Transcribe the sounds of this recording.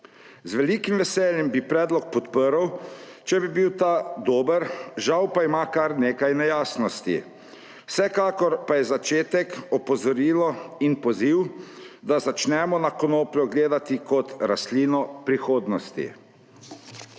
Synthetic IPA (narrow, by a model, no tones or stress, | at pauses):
zʋɛliːkimʋɛsɛːljɛmbipɾɛːd̪lɔk̚pɔt̪pəɾw | t͡ʃɛbibiwt̪aːd̪oːbəɾʒawpaimaːkaɾneːkajnɛjaːsnɔst̪ḭ | wsɛkaːkɔɾpajɛzat͡ʃeːt̪ɛkɔpɔzɔɾiːlɔinpɔziw | d̪azat͡ʃnɛmɔnakɔnoːplɔɡleːd̪at̪ikɔt̪ɾast̪liːnɔpɾixoːd̪nɔst̪ḭ